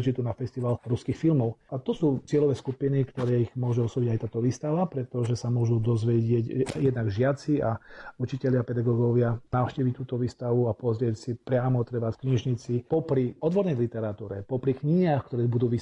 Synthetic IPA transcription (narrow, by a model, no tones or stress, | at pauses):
t͡ʃit̪unafɛst̪iʋalɾuskixfilmɔʊat̪ɔsuːt͡sɪɛlɔʋɛːskupinikt̪ɔɾɛːiɣmʊɔʒuɔsɔbiɟajt̪aːt̪ɔʋiːst̪aʋapɾɛt̪ɔʒɛsamʊɔʒud̪ɔzʋɛɟɪɛcjɛd̪naɡʒɪat͡siaut͡ʃicɛʎapɛd̪aɡɔɡɔʋɪanaʊʃciːʋic̚t̪uːt̪ɔʋiːst̪aʋuapɔzɾɪɛcsipɾɪamɔt̪ɾɛʋaskɲiʒɲit͡sipɔpɾiɔd̪ʋɔɾnɛjlit̪ɛɾat̪uːɾɛ̰pɔpɾikɲiɲaːxkt̪ɔɾɛːbud̪uːʋiː